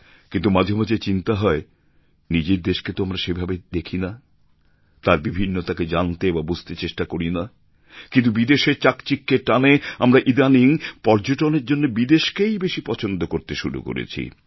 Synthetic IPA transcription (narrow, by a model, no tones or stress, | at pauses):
kint̪̬umadʱomad͡ʑet͡ɕint̪aɦɔe | nid͡ʑeɾd̪eʃket̪oamɾaʃebʱabed̪ekʰina | t̪aɾbibʱinːot̪aked͡ʑant̪ebabud͡ʑʱt̪et͡ɕeʃʈakoɾina | kĩnt̪ubid̪eʃeɾt͡ɕakt͡ɕikːeʈaneamɾaʔid̪aniŋpɔɾd͡ʑoʈoneɾd͡ʑonːebid̪eʃkejbeʃipɔt͡ɕʰond̪okoɾt̪eʃuɾṵko̰ɾḛt͡ɕʰḭ